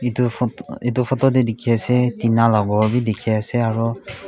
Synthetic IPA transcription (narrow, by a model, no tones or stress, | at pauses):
ituetufʰɔtɔdɛdekʰiasɛtinalɔɡɔɹbidekʰiasɛaɹɔ